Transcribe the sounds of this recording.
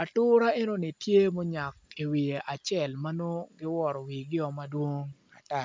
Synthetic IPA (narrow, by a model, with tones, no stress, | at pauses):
a˨tʊ˦ɾa˦e˦no˦nɪ˨tje˦mo˦ɲa˨ki˨wi˨e˨ʔa˨t͡ʃɛ˦˨lma˦no˦ɡɪ˦wɔ˨ɾɔ˨wi˨ɡɪ˦ɔ˨ma˦dwo˦ŋ | a˨ta˦˨